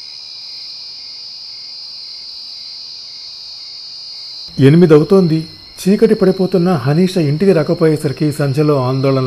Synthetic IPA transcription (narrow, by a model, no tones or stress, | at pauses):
e̞nimid̪ɐwut̪oːnd̪i | t͡ʃiːkɐʈipɐɽipo̞ːt̪unːɐɦɐniːʂɐiɳʈiɡiɾɐkɐpoːjɛːsɐɾikisɐɲd͡ʒʱɐlo̞ːaːnd̪ɔːɭɐnɐ